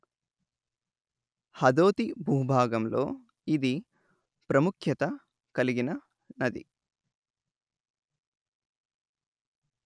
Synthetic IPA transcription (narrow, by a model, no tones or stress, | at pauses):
hɐd̪oːt̪ibʱuːbʱaːɡɐmlo̞ː | id̪i | pɾɐmukʰjɐt̪ɐ | kɐliɡinɐ | nɐd̪ḭ